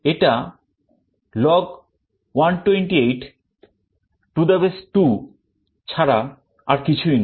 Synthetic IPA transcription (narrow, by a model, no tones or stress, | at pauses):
eʈa | lɔɡ | wanʈweɳʈiejʈ | ʈud̪abesʈu | t͡ɕʰaɾa | aɾkit͡ɕʰujn